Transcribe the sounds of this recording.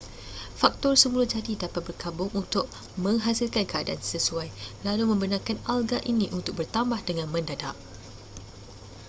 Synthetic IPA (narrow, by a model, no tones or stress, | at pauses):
fak̚t̪ɔrsəmulʊd͡ʒadidapat̪̚bərkabʊŋunt̪ʊk̚ | mə̃ŋɦasilkankəadaansəsuajlalumə̃mbənakanalɡaʔinĩʔunt̪ʊk̚bərt̪ambahdəŋãnmə̃ndadaʔ